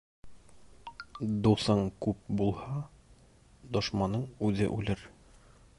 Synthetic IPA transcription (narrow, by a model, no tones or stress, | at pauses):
d̪usɑɴkʉp̚bulˠhɑ | d̪ŏʃmɑnːɤɴʉðɘ̰ʔʉ̰lɘɾ